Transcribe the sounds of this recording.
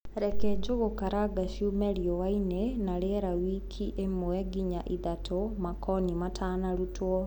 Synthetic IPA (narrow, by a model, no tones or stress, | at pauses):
ɾɛkɛd͡ʒoɣokaɾaɡaʃumɛɾiɔwainenaɾeɾawikʰiʔemoɛɡiɲaʔiðatʰomakɔnimatʰaːnaɾutwɔ